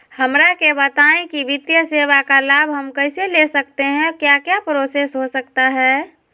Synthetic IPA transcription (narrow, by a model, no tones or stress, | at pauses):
həmɾakebət̪aːẽkiʋɪt̪jəseːʋakalaːbʱɦəmkəɪselesəkt̪eɦɛ̃kjakjapɾoːsesɦosəkt̪aɦɛː